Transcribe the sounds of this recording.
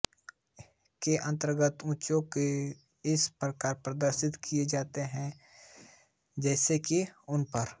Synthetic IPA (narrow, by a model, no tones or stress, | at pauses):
keʔə̃nt̪əɾɡət̪ũːt͡ʃõke | ɪspɾəkaːɾpɾəd̪əɾʃɪt̪kʰied͡ʒaːt̪eɦɛ̃ | d͡ʒɛːsekiʊnpəɾ